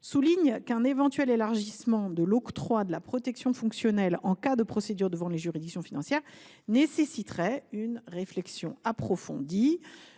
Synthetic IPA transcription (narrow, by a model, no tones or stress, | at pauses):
suliɲkɛ̃nevɑ̃t̪ɥɛlelaʁʒismɑ̃d̪əlɔkt̪χwad̪əlapχɔt̪ɛksjɔ̃fɔ̃ksjɔnɛlɑ̃kad̪əpχɔsed̪yʁd̪əvɑ̃leʒyʁid̪iksjɔ̃finɑ̃sjɛʁ | nesesit̪χɛynʁeflɛksjɔ̃apχɔfɔ̰̃d̪i